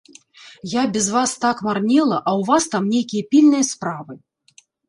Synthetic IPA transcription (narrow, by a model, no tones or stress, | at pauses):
jabʲɛzvast̪akmarnʲɛlˠɐʔɐwvast̪amnʲejkʲijɐpʲilʲnɨjɐspɾavɨ